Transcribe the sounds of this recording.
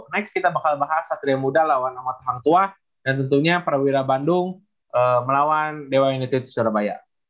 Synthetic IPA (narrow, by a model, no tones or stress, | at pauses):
nɛkskit̪abakalbaɦasat̪ɾiamudalawanamat̪əɦant̪ua | dant̪ənt̪uɲapəɾawiɾabandʊŋ | ʔəməlawandewainit̪uit̪u̥suaɾabaja̰